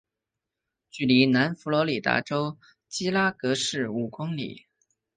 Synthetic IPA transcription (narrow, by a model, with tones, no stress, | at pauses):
t͡ɕy˥˩li˧˥na˧˥nfu˧˥lwɔ˧˥li˨˩t̪a̰˧˥ʈ͡ʂo˥ʊ | t͡ɕi˥la˥kɤ˧˥ʂɻ̩˥˩u˨˩kʊ˥ŋlḭ˨˩˦